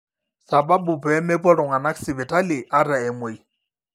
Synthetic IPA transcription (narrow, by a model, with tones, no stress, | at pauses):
sa˨ba˦bʊ˨pːmɛ˦pɔ˦ɺɔ˨ŋa˨na˦ksɪ˨bɛ˨tʰʼa˦lɪ˨ʔa˦ɾa˨ɛ˨mwe˨